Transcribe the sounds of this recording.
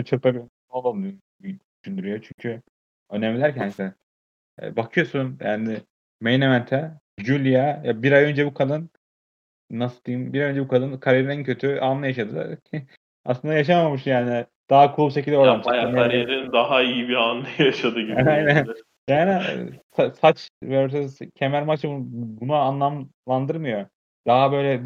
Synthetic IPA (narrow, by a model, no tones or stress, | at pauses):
t͡ʃʰɯɾpabin | olˠaɯj | d̪yʃynd̪yɾyjot͡ʃʰyɲcʰy | ø̞nɛmlʲilʲæɾcʰænsɛ | ɛ̰bakʰɯjo̞sunjaːnɪ | mejnemænt̪ʰɛ | d͡ʒulʲijajabiɾajø̞nd͡ʒɛbukʰalˠɯnː | asɯd̪ijimbiɾajø̞nd͡ʒɛbukʰalˠɯnkʰaɾijeɾinæncʰø̞t̪ʰyanlːˠajaʃad̪ɯ | aslˠɯnd̪ajaʃ̬amamɯʃjaːnɪ | d̪̥aɦakʰulˠubʃec̬ʰilʲd̪ʲɛoɾamʃanaɾeɾind̪aɦaijibianːˠɯjaʃad̪ɯɟiajnæn | jaːnisasat͡ʃvɛɾoɾs̬aszcʰemæɾmat͡ʃʰbubunuanlˠamlˠand̪ɯɾmɯjo | d̪̥aɦabø̞jlʲɛ